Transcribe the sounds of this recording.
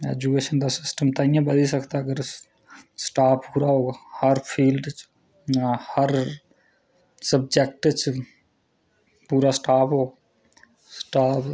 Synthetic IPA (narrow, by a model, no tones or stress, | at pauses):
ed͡ʒukeʃənd̪asɪsʈəmt̪ɐĩjãbəd̪isəkʰt̪aɡəɾ | sʈaːpʰuɾaɦohəɾpʰiːlɖt͡ʃʰ | həɾ | səb̚d͡ʒek̚ʈt͡ʃʰ | puɾasʈaːpʰɦo | sʈaːpʰ